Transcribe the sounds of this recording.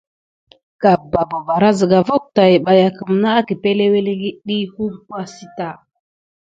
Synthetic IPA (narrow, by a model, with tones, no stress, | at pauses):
ka˨ba˨ba˨ba˨ɾa˦zə˨ɡa˨va˦k̚ta˨ji˨ɓa˨ja˨kə˨m˨na˦a˦ki˨pe˦le˦we˦le˦ɡi˦ɗi˦hu˦mkʷa˦si˦ta˦˨